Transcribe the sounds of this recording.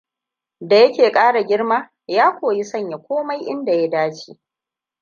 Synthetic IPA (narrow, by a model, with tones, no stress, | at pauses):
da˨jɐ˦kʲeː˨kʼaː˦ɽa˨ɡʲɪ˦ɽma˦ | jaː˦kʷoː˨ji˦sɐ˦˨ɲja˨kʷoː˦ma˦jʔɪ˦nda˨ja˦daː˦t͡ʃiː˦